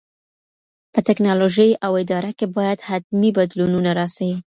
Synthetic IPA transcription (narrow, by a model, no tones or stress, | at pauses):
pət̪ɪknɑloʒəjawɪd̪ɑɾakebɑjad̪hat̪mibad̪lununaɾɑsawi